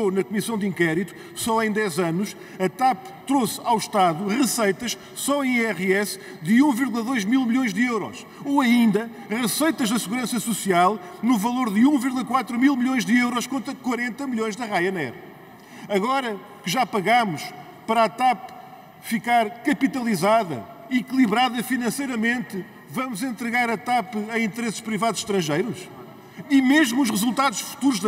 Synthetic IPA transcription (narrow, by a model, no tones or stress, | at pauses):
onɐkumisɐ̃w̃d̪ĩŋkɛɾit̪u̥ | sɔẽj̃d̪ɛzɐnuʃ | ɐt̪ap | t̪ɾosawʃt̪aðuʁɨsɐjt̪ɐʃ | sɔẽj̃ɛʁɛs | d̪ɨũviɾɣulˠɐðojʒmilˠmʎõj̃ʒd̪ɨewɾɔ̰ʃ | oɐĩnd̪ɐ | ʁɨsɐjt̪ɐʒðɐsɨɣuɾɐ̃sɐsusialˠnuvɐlˠoɾðɨũviɾɣlˠɐkwat̪ɾumilˠmɨʎõj̃ʒðɨewɾɔʃkõnt̪ɐkwɐɾẽnt̪ɐmɨʎõj̃ʒðɐʁajɐnɛ̰ɾɐ | ɐɣɔɾɐ | kɨʒapɐɣamuʃ | pɐɾat̪ap | fikaɾkɐpit̪ɐlˠizaðɐ̰ | iklˠiβɾaðɐfinɐ̃sɐjɾɐmẽnt̪ɨ | vɐmuzẽnt̪ɾɨɣaɾɐt̪apɨɐ̃ĩnt̪ɨɾesɨ̥ʃpɾivaðuz̥ʃt̪ɾɐ̃ʒejɾuʃ | imeʒmuːʃ̬ʁɨzulˠt̪aðuʃfu̥t̪uɾuʒð